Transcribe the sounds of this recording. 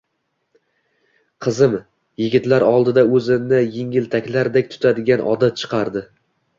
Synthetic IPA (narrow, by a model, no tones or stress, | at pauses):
qʰɨzɪm | jɪɡʲɪt̪laɾɒlˠd̪ɪd̪aɵzɪnɪjeŋɪlt̪ʰakʲlaɾd̪ekʲt̪ʰʊ̥t̪ʰad̪ɪɡʲanʔɒd̪at͡ʃʰɨ̥qʰɑɾd̪ɪ